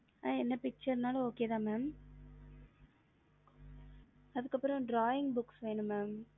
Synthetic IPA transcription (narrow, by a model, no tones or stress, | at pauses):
aːɛnːɐpɪk̚t͡ʃɐɾnaːlɐoːkeːt̪ãːmaːm | ɐðɯkːɐpːɯɾɔ̃ɖɾaːjɪŋɡbʊksʋeːɳɯ̃mːaːm